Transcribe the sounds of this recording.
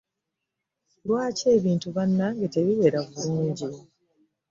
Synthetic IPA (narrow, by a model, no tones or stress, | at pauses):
lwaːce̞ːβiːntuβanːaŋɡate̞βiwe̞ːɾaβuluːɲɟi